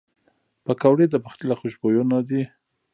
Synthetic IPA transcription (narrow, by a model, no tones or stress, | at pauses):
pəkawɽed̪əpaxt̪ɪlaxoʃbojunad̪i